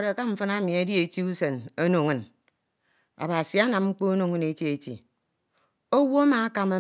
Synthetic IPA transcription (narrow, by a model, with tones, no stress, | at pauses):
ɾe˨ka˦ɱ̩˦fɨ˦na˦mi˨e˦di˦e˨ti˦u˦se˨no˦no˨ŋɨ˨n | a̰˨ba˨si˨a˦na˨mŋ͡m̩˦k͡po˦o˦no˨ŋɨ˦ne˨˦ti˦e˨tḭ˨ | o˦wo˦a˦ma˨a˦ka˦˨ma˦